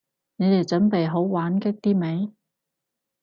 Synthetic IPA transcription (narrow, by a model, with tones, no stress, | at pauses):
ne˨˧jt̪e˨jt͡ʃɵ˨˥npe˨jɦo˨˥wwaː˨˥nkɪ˥k̚t̪iː˥me˨˥j